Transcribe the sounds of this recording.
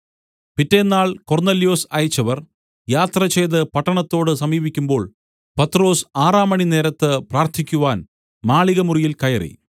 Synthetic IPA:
pitːe̞nːaːɭko̞rnelijo̞ːsɐjt͡ɕːɐʋɐr | jaːt̪rɐt͡ɕejðɨpɐʈːɐɳɐt̪ːo̞ːɽɨsɐmiːbikʲːumbo̞ːɭ | pɐt̪ro̞ːsaːraːmɐɳine̞ːɾɐt̪ːɨpraːrt̪ʰikʲːuʋaːn | maːɭiɣɐmurijilkɐjɐrḭ

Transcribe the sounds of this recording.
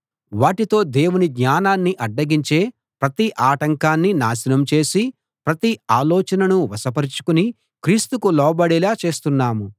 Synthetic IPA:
ʋaːʈit̪o̞ːd̪e̞ːwuniɡɲaːnaːnːiʔɐɖːɐɡiɲt͡ʃe̞ː | pɾɐt̪iʔaːʈɐŋkaːnːinaːsinɐmt͡ʃe̞ːsi | pɾɐt̪iaːlɔːt͡ʃɐnɐnuʋɐsɐpɐɾit͡ʃu̥kuni | kɾiːst̪ukulɔːbɐɽɛlaːt͡ʃe̞ːst̪unːaːmu

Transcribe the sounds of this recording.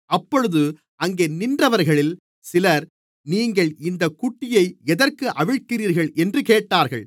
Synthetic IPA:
ɐpːɔɻɯðɯ | ɐŋɡeːnɪndrɐʋɐɾɣɐɭɪl | sɪlɐɾ | niːŋɡɐɭɪnd̪ɐkːʊʈːɪjɐɪɛðɐɾkɯʔɐʋɪɻkɪriːɾɣɐɭɛndrɯkeːʈːaːɾɣɐ̰ɭ

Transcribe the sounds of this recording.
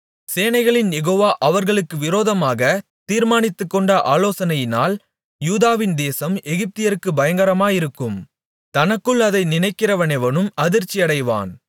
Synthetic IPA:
seːnɐɪɣɐɭɪnjɛɣoːʋaːʔɐʋɐɾɣɐɭɯkːɯʋɪɾoːðɐmaːɣɐt̪iːɾmaːnɪt̪ːɯkːɔɳɖɐʔaːloːsɐnɐjɪna̰ːl | juːðaːʋɪnd̪eːsɐmɛɣɪp̚t̪ɪjɐɾɯkːɯbɐjɐŋɡɐɾɐmaːjɪɾɯkːɯm | t̪ɐnɐkːɯɭɐðɐɪnɪnɐɪkːɪrɐʋɐnɛʋɐnɯmɐðɪɾt͡ʃːɪɐɽɐɪʋa̰ːn

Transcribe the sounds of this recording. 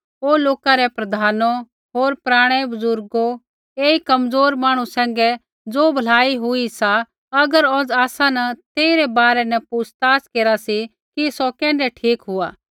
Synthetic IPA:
oːloːkaɾɛpɾɐd̪ʱaːno | ɦoːɾpɾaːɽ̃ɛbʊzʊɾɡo | eːikɐmd͡zoːɾmãːɽ̃usɛ̃ːŋ̆ɡɛ | d͡zoːbʱɐlaːiɦʊisa | ɐɡəɾɔd͡zaːsãnɐt̪eːiɾɛbaːɾɛnɛ̃pusʰt̪aːskeːɾasi | kisɔkɛ̃ːɳɖɛʈʰiːkɦʊaː

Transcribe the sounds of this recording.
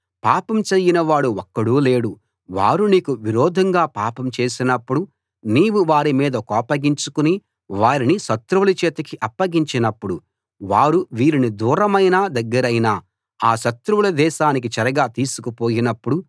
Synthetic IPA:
paːpɐmt͡ʃeːjinɐʋaːɽuɔkːɐɽuːle̞ːɽu | ʋa̰ːɾuniːkuʋiɾɔːd̪ʱɐŋɡaːpaːpɐmt͡ʃe̞ːsinɐpːuɽu | niːwuʋaːɾimiːd̪ɐkɔːpɐɡiɲt͡ʃukuni | ʋaːɾiniʃɐt̪ɾuʋulɐt͡ʃɛːt̪ɐkiʔɐpːɐɡiɲt͡ʃinɐpːuɽu | ʋaːɾuʋiːɾinid̪uːɾɐmɐjnaːd̪ɐɡːɐɾɐjnaː | aːʃɐt̪ɾuʋulɐd̪ɛːʃaːnik̬it͡ʃɐɾɐɡaːt̪iːsukupoːjinɐpːuɽu

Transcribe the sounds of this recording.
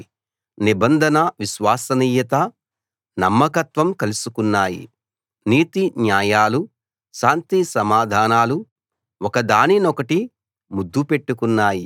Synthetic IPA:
nibɐnd̪ʱɐnɐʋiʃʋaːsɐniːjɐt̪ɐ | nɐmːɐkɐt̪ʋɐmkɐlusukunːaːjḭ | niːt̪iɲjaːjaːlu | ʃaːnt̪isɐmaːd̪ʱaːnaːlu | ɔkɐd̪aːninɔkɐʈi | mud̪ːupe̞ʈːukunːaːji

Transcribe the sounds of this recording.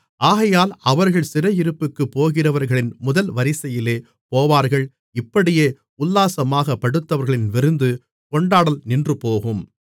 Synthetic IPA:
ʔaːɣɐjaːlɐʋɐɾɣɐɭsɪrɐjɪɾɯpːɯkːɯpːoːɣɪrɐʋɐɾɣɐɭɪnmʊðɐlʋɐɾɪsɐjɪleː | poːʋaːɾɣɐɭ | ɪpːɐɽɪjeː | ʊlːaːsɐmaːɣɐpːɐɽɯt̪ːɐʋɐɾɣɐɭɪnʋɪɾɯnd̪ɯ | kɔɳɖaːɽɐlnɪndrɯpoːɣɯm

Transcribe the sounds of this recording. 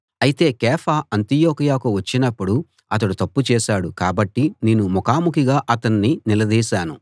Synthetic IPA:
ɐjit̪e̞ːkɛːfʰaːɐnt̪ijoːkɐjaːkuʋɐt͡ʃːinɐpːuɽu | ɐt̪ɐɽut̪ɐpːut͡ʃɛːʃaːɽukaːbɐʈːineːnumɔkaːmukiɡaːʔɐt̪ɐnːinilɐd̪iːʃaːnu

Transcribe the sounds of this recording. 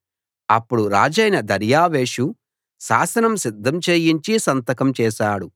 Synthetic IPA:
ɐpːuɽuɾa̰ːd͡ʒɐjnɐd̪ɐɾjaːʋeːʃu | ʃa̰ːsɐnɐmsid̪ʱːɐmt͡ʃeːjiɲt͡ʃisɐnt̪ɐkɐmt͡ʃɛːʃaːɽu

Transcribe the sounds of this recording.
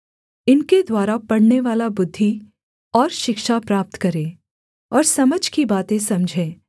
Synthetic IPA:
ɪnked̪waːɾapɐɽneʋaːlabʊd̪ʱːi | ɔːɾʃɪkʃapɾaːp̚t̪kɐɾẽː | ɔːɾsɐməd͡ʒʱkibaːt̪ẽsɐ̃md͡ʒʱẽː

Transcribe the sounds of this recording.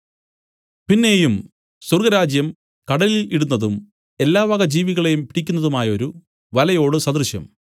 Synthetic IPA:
pinːe̞ːjum | surɡɐɾaːd͡ʑjɐm | kɐɽɐliliɽunːɐðum | e̞lːaːʋɐɣɐd͡ʑiːʋiɣɐɭe̞jumpiɽikʲːunːɐðumaːjɐo̞ɾu | ʋɐlɐjo̞ːɽɨsɐd̪rɨɕjɐ̰m

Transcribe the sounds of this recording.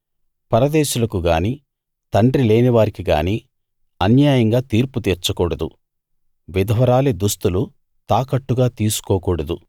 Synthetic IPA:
pɐɾɐd̪ɛːʃulɐkuɡaːniː | t̪ɐɳɖɾile̞ːniʋaːɾikiɡa̰ːniː | ɐnjaːjɐŋɡaːt̪iːɾput̪iːɾt͡ʃɐkɔːɽɐd̪u | ʋid̪ɐʋɐɾaːled̪ust̪ulu | t̪aːkɐʈːuɡaːt̪iːsu̥kɔːkɔːɽɐd̪u

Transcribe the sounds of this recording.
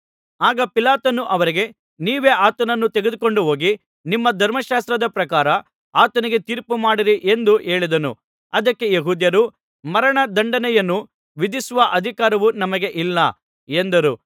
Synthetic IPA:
aːɡɐpilaːt̪ɐnuʔɐʋɐɾiɡe̞ | niːʋe̞ːʔaːt̪ɐnɐnːut̪eɡed̪uko̞ɳɖuɦo̞ːɡi | nimːɐd̪ʱɐɾmɐʃaːst̪ɾɐd̪ɐpɾɐkaːɾɐ | aːt̪ɐniɡe̞t̪iːɾpumaːɽiɾiʔe̞nd̪uʔe̞ːɭid̪ɐnṵ | ɐd̪ɐkːe̞jeɦuːd̪jɐɾu | mɐɾɐɳɐd̪ɐɳɖɐnɛjɐnːu | ʋid̪isuʋɐʔɐd̪ʱikaːɾɐʋunɐmɐɡe̞ʔilːɐ̰ | end̪ɐɾu

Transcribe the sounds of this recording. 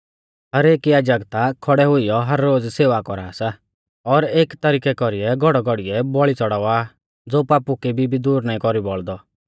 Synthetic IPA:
ɦɐɾeːkjaːd͡ʒəɡt̪akʰɔɽɛɦʊijɔɦɐɾːoːd͡zseːʋakɔɾaːsa | ɔːɾeːkt̪ɐɾiːkɛkɔɾiɛɡʱɔɽɔɡʱɔɽiɛbɔɭit͡sɔɽaʋa | d͡zoːpaːpukibʱibʱid̪uːɾnaːĩkɔɾibɔɭd̪ɔ

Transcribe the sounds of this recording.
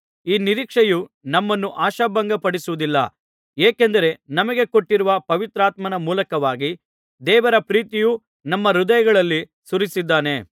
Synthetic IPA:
iːniɾiːkʂɐjunɐmːɐnːuʔaːʃɐbɐŋɡɐpɐɽisuʋud̪ilːɐ̰ | eːkend̪ɐɾe̞nɐmɐɡe̞ko̞ʈːiɾuʋɐpɐʋit̪ɾaːt̪mɐnɐmuːlɐkɐʋaːɡi | d̪ɛːʋɐɾɐpɾiːt̪iju | nɐmːɐɾud̪ɐjɐɡɐɭɐlːi | suɾisid̪ːaːne̞

